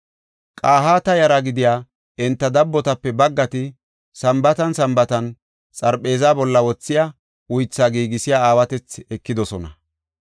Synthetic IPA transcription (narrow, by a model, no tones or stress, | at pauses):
kʼaːɦaːt̪ɐjɐɾaɡɪd̪ɪjaː | ʔɛnt̪ːɐd̪ɐbːɔt̪ɐpːɛbɐɡːɐt̪ɪ | sɐmbɐt̪ɐnsɐmbɐt̪ɐn | t͡sʼɐɾpʼːe̞ːzaːbɔlːɐwɔt͡sːɪja | ʊjt͡sːaːɡiːɡɪsɪjaːaːwɐt̪ɛt͡sɛkːɪd̪ɔsɔnɐ